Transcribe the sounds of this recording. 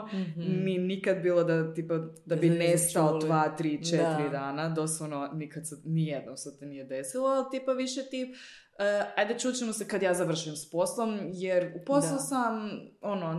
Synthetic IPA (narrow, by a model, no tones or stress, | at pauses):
ninikad̪biːlˠod̪at̪iːpad̪abinest̪alod̪ʋaːt̪ɾiːt͡ʃet̪ɾid̪aːnad̪o̞sʋoʋnonikad̪senijed̪nomset̪onijed̪esilˠoalˠt̪iːpaʋiʃet̪i | ajd̪et͡ʃuːt͡ɕemosekad̪jaːzaʋr̩ʃimspo̞slˠomjeɾuposlˠosamono